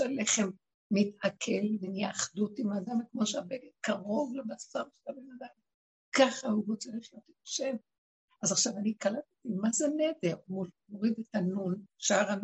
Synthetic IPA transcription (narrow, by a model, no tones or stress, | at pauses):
eleχemː | it̪ʔakʰelvenjaaχdutimaːdamkmoʃeabeɡetkaʁo̞vlebasaʁʃelabenad̪am | kaχahuvot͡saʁiχijo̞t̪etʃen | azaχʃavanikalat̪et̪imazenedeʁmumoʁid̪etanunʃaʁan